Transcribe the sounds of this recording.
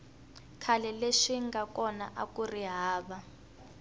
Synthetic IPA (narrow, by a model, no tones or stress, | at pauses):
kʰalɛleʂiŋɡakɔna̰ʔakuriɦaːβa